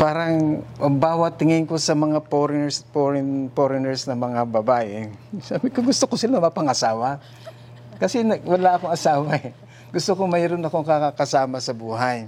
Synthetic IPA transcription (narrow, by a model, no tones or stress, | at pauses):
paːɾɐŋʔɐbaːwɐt̪ːɪŋɪŋko̞sɐmɐŋapoɾɪɛspoɾɪnpoɾɪnɛɹsnɐŋmɐŋabɐbaːʔɛsaːbɪkoŋɡʊst̪okosɪlanɐmɐpɐŋɐsaːwɐ | kɐsɛnɐwɐlaʔɐkoŋɐsaːwɐɛ | ɡʊst̪okoŋmɐɪɾonɐkoŋkakakɐsaːmɐsɐbuːɦɐj